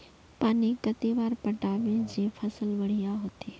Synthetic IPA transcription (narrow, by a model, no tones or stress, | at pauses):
paːnikət̪eʋaːɾpəʈaːʋẽd͡ʒẽːpʰəsəlʋɐɽ̤ijaɦoːt̪iː